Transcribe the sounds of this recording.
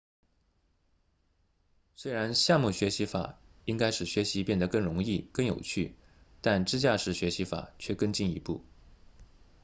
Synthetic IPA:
swe˥ɪɻa˧˥nɕja˥˧mu˥˩ɕɥɛ˧˥ɕi˧˥fa̰˨˩˦ | i˥ŋka˥ɪʂɻ̩˥˩ɕɥɛ˧˥ɕi˧˥pjɛ˥˩nd̪ə˩kɤ˥˩ŋɻʊ˧˥ŋi˥˧kɤ˥˩ŋjo̰˨˩ʊt͡ɕʰy˥˩ | t̪a˥˧nʈ͡ʂɻ̩˥˧t͡ɕja˥˧ʂɻ̩˥˩ɕɥɛ˧˥ɕi˧˥fa̰˨˩˦t͡ɕʰɥɛ˥˧kɤ˥˧ŋt͡ɕi˥˩ni˧˥pṵ˥˩

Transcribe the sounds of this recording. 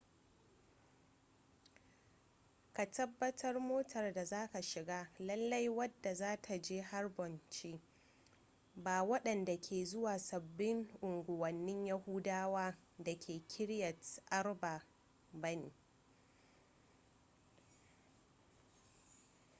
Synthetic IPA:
ka˨tɐ˦bːɐ˦tʰɐ˦rmoː˦tʰɐ˨rda˨zaː˦ka˨ʃɪ˨ɡaː˦lɐ˦lːɐ˦jwɐ˦dːa˨zaː˦tʰa˨d͡ʒeː˦ha˦rbɔ˨nt͡ʃeː˦ | baː˨wɐ˦ɗɐ˨nda˨kʲʰeː˨zʊ˦waː˨sɐ˨bːɪ˦ŋʔʊ˨ŋɡʷʊ˨wɐ˨nːɪ˦ɲja˦hʊ˦daː˦waː˦ | da˨kʲʰeː˨kʲʰɪ˦ɽjɐ˨tʔɐ˦rba˨ | bɐ˦neː˨

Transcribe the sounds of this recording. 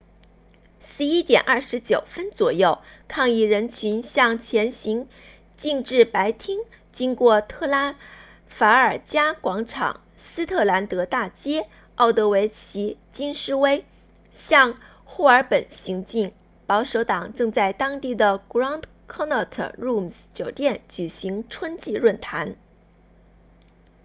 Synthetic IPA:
ʂɻ̩˧˥i˥t̪jɛ̰˨˩nʔɐ˥˩ʂɻ̩˧˥t͡ɕjo˨˩ʊfə˥nt͡swɔ̰˨˩jo˥˩ʊkʰɑ˥˧ŋi˥˩ɻə˧˥nt͡ɕʰy˧˥nɕjɑ˥˩ŋt͡ɕʰjɛ˧˥nɕi˧˥ŋ | t͡ɕi˥˧ŋʈ͡ʂɻ̩˥˩pa˧˥ɪt̪ʰi˥ŋ | t͡ɕi˥ŋkwɔ˥˩t̪ʰɤ˥˩la˧˥n | fa˧˥ə˞˨˩t͡ɕja˥kwɑ˧˥ŋʈ͡ʂʰɑ̰˨˩˦ŋ | sɹ̩˥t̪ʰɤ˥˩la˧˥nt̪ɤ˧˥t̪a˥˩t͡ɕjɛ˥ | ɑ˥˩ʊt̪ɤ˧˥we˧˥ɪt͡ɕʰi˧˥t͡ɕi˥nʂɻ̩˥we˥ɪ | ɕjɑ˥˧ŋ | xu˥˩ə˞˧˥pə˨˩nɕi˧˥ŋt͡ɕi˥˩ŋ | pɑ˧˥ʊʂo˧˥ʊt̪ɑ˨˩ŋʈ͡ʂɤ˥˧ŋt͡sa˥˩ɪt̪ɑ˥ŋt̪i˥˩d̪ə˩kɹɑ˥nd̪ | kʰɔ˥nɑ˥˩t̪ʰə̰˩ɻu˥˩mst͡ɕjo˨˩ʊt̪jɛ˥˩nt͡ɕy˨˩ɕi˧˥ŋʈ͡ʂʰwə˥nt͡ɕi˥˧ɻwə˥˩nt̪ʰa˧˥n

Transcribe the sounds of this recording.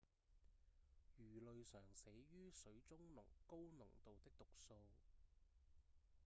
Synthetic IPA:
jyː˨˩lɵ˨ɥsœː˨˩ŋsɛː˨˥jyː˥sɵ˨˥ɥt͡sʊ˥ŋnʊ̰˨˩ŋko˥wnʊ˨˩ŋt̪o˨wt̪ɪ˥k̚t̪ʊ˨k̚so˧w

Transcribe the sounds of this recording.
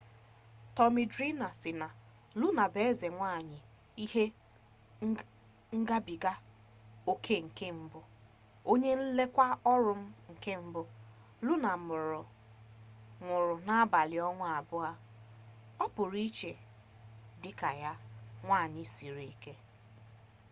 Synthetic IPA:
tɔ˨mi˨dɾi˦na˨sɪ˨na˨ | lʊ˦na˨be˨˦ze˨ŋʷa˦˨ɲɪ˨ | i˦ɦe˦ | ŋ̩˦ɡa˦bi˨ɡa˦ | o˦kʰe˦ŋ̩˨ke˦m̩˦bʊ˦ | o˦ɲe˦n̩˦le˦kʷa˦ɔ˦ɾʊ˦m̩˦ŋ̩˨ke˦m̩˦bʊ˦ | lʊ˦na˨mʊ˨ɾʊ˨ | ŋʷʊ˨ɾʊ˨na˦a˦ba˨lɪ˨ɔ˦ŋʷʊ˦a˨bʊ˦a˦ | ɔ˦pʊ˨ɾi˦t͡ʃe˨ | dɪ˦ka˨ja˦ŋʷa˦˨ɲɪ˨si˨ɾi˨e˨ke˦

